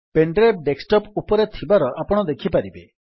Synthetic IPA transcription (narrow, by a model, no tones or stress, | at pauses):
peɳɖɾeb̚ɖeksʈɔpupɔɾet̪ʰibaɾɔʔapɔɽ̃ɔd̪ekʰipaɾibe